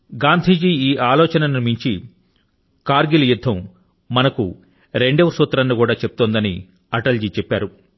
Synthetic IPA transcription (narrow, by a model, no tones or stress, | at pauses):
ɡaːnd̪ʱiːd͡ʒiːiːʔaːlɔːt͡ʃɐnɐniɾmiɲt͡ʃi | kaːɾɡiljud̪ʱːɐmː | ɐnɐkṵ | ɾe̞ɳɖeːʋɐsuːt̪ɾɐnːikuːɽaːt͡ʃepu̥t̪ond̪ɐnḭ | ɐʈɐld͡ʒiːt͡ʃɛpːaːɾu